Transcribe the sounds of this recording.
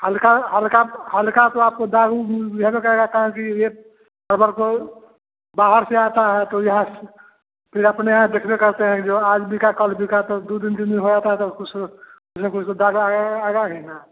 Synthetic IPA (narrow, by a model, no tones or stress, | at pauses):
hɐlkaɦɐlkahɐlkat̪oaːp̚kod̪aːɡujɐɦãmẽkɐɦeɡakɐɦẽkije | bɐɾbəɾko | baːɦəɾseaːt̪aɦɛt̪ojɐɦãs | pʰɪɾɐpneãd̪eːkʰbekɐɾt̪eɦɛ̃kid͡ʒoːaːd͡ʒbʱikakəlbʱikat̪od̪ud̪ɪnbʱinbiɦod͡ʒaːt̪aɦɛt̪okʊt͡ʃ | ʊsʰmẽkʊt͡ʃʰkod̪aːɡuaaːɡaɦɛnaː